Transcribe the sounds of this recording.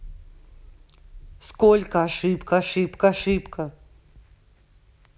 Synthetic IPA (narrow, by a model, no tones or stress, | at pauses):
skolʲkəɐʂɨpkəaʂɨpkəaʂɨpkə